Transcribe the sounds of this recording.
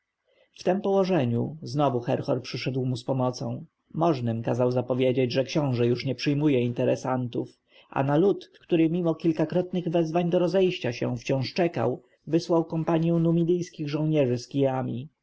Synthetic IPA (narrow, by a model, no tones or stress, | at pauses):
ft̪ɛmpɔwɔʐɛɲṵznɔvuxɛɾxɔɾpʂɘʂɛd̪wmuspɔmɔt̪sɔ̃w̃ | mɔʐnɘmkazawzapɔvʲjed͡ʑed͡ʑʐɛkɕɔ̃w̃ʐɛjuʂɲɛpʂɘjmujɛint̪ɛɾɛsant̪uf | ʔa̰nalut̪kt̪uɾɘmʲimɔkʲilkakɾɔt̪nɘɣvɛzvaɲd̪ɔɾɔzɛjɕt͡ɕaɕɛ̰̃ft͡ɕɔ̃w̃ʂt͡ʂɛka̰w | vɘswawkɔmpaɲjɛ̃w̃numʲid̪ɘjskʲiɣʐɔ̃w̃ɲɛʐɘskʲijamʲḭ